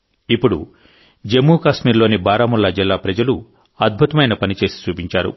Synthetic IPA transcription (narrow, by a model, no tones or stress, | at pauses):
ipːuɽṵ | d͡ʒe̞mːuːkaːʃmiːɾlo̞ːnibaːɾaːmulːɐd͡ʒilːaːpɾɐd͡ʒɐlu | ɐd̪̚bʱut̪ɐmɐjnɐpɐnit͡ʃe̞ːsi̥t͡ʃuːpiɲt͡ʃaːɾṵ